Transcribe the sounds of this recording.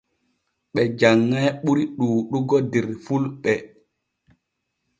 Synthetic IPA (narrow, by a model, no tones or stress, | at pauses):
ɓɛd͡ʒaŋːajɓuɾiɗuːɗuɡɔdɛɾfulɓɛ